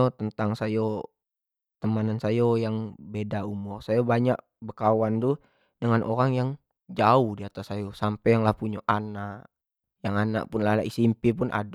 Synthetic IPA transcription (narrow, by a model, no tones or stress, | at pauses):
ot̪ənt̪aŋsajo | t̪əmanansajojaŋbedaumʊrsajobaɲaʔ̚ | bəkawant̪u | dəŋanʔoɾaŋjaŋ | d͡ʒauhdiat̪asajosampɛjaŋlahpuɲoʔanaʔ | jaŋana̰ʔpʊnlalaisimpipʊnʔa̰d